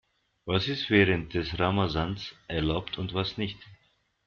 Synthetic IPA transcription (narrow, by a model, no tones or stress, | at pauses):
vasɪstv̥ɛːʁənt̚d̥ɛsʁamazansʔɛɐlaʊptʰʊntv̥asnɪçt